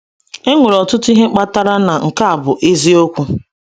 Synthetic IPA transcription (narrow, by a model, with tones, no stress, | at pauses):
e˦ŋʷe˨ɾɔ˨tʊ˦tʊ˦i˦ɦe˦k͡pa˦ta˦ɾa˦na˨ŋ̩˨ka˦a˨bʊ˨ʔe˦zi˦o˦kʷu˦